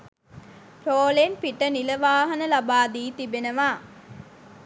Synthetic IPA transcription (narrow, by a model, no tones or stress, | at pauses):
pɾoːlenpiʈəniləʋaːɦənəlabaːd̪iːt̪ibenəʋaː